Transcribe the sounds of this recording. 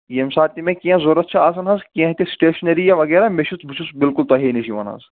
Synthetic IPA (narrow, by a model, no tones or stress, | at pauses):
jemsaːt̪ːimẽkiãzoɾɐt̪̚t͡ʃʰɐaːsɐnɦɐzkiãɦt̪ʲisʈeːʃnɐɾijaʋɐɡeːɾameʃʰut̪bʱit͡ʃʰusbɪlkʊlt̪ɐɦiːniʃiʋɐ̰nɦɐ̰z